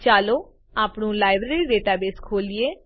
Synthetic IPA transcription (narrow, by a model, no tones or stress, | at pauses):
t͡ʃaːloː | aːpnũːlaːɪbɾeːɾiːɖeːʈaːbeːskʰoːlieː